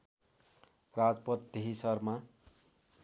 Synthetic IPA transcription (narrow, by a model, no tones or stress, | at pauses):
rad͡zpʌt̪̚d̪eɦisʌrma